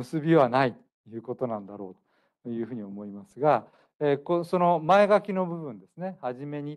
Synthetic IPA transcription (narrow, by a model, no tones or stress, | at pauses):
ɯsɨbʲiβanait̪ | jɯ̟ːko̞t̪o̞nãnd̪aɾo̞̰ːt̪o | jɯ̟ːɸɯ̟ːɲ̟iomo̞imasɨɡa | eːkoso̞no̞mae̞ɡakʲino̞bɯ̟bɯ̟̃nd̪e̞sɨne̞haʑime̞ɲ̟i